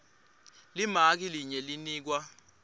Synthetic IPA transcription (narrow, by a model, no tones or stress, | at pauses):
limak̬iliɲɛliniːk̬wa